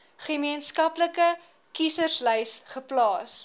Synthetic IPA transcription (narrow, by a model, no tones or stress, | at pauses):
χəmiənskɐpləkə | kisərslɛjsχəplɑːs